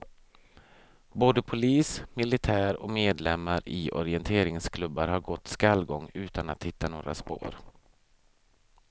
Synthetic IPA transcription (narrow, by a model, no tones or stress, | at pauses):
boːd̪əpʰʊliːsmɪlɪt̪ʰæːɾɔ̰meːd̪lɛmːaɾɪʔɔ̰ɾɪɛnt̪ʰeːɾɪŋskʰlɵbːaɾhaɾɡɔt̪ːskalːɡɔŋːʉ̟ːt̪anat̪hɪt̪ːano̰ːɾa̰spo̰ːɾ